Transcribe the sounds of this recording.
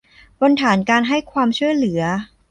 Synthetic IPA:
pɔ˧nt̪ʰaː˩˦nkaː˧nɦa˥˩jkʰwaː˧mt͡ɕʰu˥˩əjlɯ˨˩˦ɐ

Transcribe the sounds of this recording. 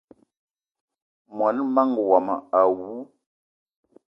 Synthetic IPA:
mwa˨n˦ma˦ŋ˨wa˨ma˨a˨wu˦

